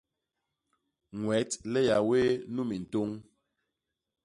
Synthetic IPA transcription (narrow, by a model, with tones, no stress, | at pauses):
ŋwɛ˨˦tlɛ˦ja˨we˦nu˦mi˨n̩˨to˦ŋ